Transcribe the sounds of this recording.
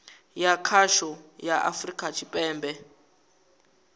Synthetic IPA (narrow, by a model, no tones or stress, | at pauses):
jakʰaʃɔjaʔa̰frikʼat͡ʃʰipʼɛːmbɛ